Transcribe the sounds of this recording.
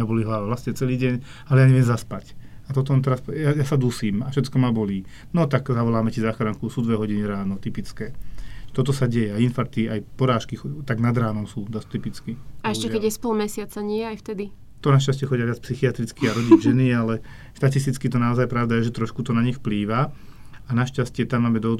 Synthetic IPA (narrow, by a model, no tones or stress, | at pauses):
abɔliɦlaʋaʋlasɲɛt͡sɛliːɟɛɲ | alɛjaːɲɛʋɪɛmzaspacat̪ɔt̪ɔɔnt̪̬ɛɾasjajasad̪uːsiːmafʃɛt̪kɔmabɔliː | nɔt̪aɡzaʋɔlaːmɛcizaːxɾaŋkusuːd̪ʋɛɦɔɟiniɾaːnɔt̪ipit͡skɛːt̪ɔt̪ɔsaɟɛjɛainfaɾt̪iajpɔɾaːʃkixt̪aɡnad̪ɾaːnɔmsuːd̪ast̪ipit͡skiaɛʃcɛkɛɟɛspɔlmɛsɪat͡saɲɪɛajft̪ɛd̪i | t̪ɔnaʃcascɪɛxɔɟɪjaʋat͡spsixiat̪ɾit͡skiaɾɔɟiʒɛnialɛ | ʃt̪at̪is̬t̪it͡skit̪̬ɔnaɔzajpɾaʊd̪ajɛʒɛt̪ɾɔʃkut̪ɔnaɲixpliːʋa | anaʃcascɪɛt̪amːaːmɛd̪ɔɦɔd̪